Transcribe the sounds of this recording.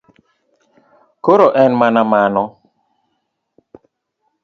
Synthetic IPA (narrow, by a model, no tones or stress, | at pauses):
koɾoʔɛnmanamanɔ